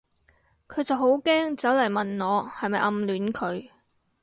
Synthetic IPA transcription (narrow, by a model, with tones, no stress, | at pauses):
kʰɵ˨˧ɥt͡sɐ˨wɦo˨˥wkɛː˥ŋt͡sɐ˨˥wlɐ˨˩jmɐ˨˩nŋɔː˨˧hɐ˨jmɐ˨jʔɐ˧mlyː˨˥nkʰɵ˨˧ɥ